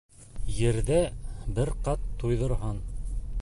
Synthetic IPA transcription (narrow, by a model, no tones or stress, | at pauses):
jɘ̆ɾðæbɘɾqɑt̪ʰːujðŏɾɦɑn